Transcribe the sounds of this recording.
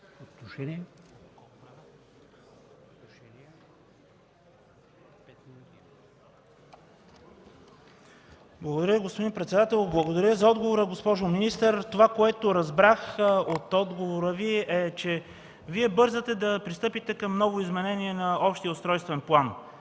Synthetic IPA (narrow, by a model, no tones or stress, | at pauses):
ot̪noʃɛn | blˠəɡod̪ɐɾəviɡospod̪inpɾɛt̪sɛd̪at̪ɛlˠblˠɐɡod̪ɐɾʲjəzɐɔd̪ɡovoɾəɡospɔʒominist̪əɾt̪ovakoɛt̪oɾɐzbɾaxot̪ɔd̪ɡovoɾəviʔɛt͡ʃɛ | viɛbɤɾzət̪ɛd̪ɐpɾist̪ɤpit̪ɛkɐmnɔvoizmɛnɛniɛnɐɔpʃt̪ijəost̪ɾɔjst̪vɛnplˠan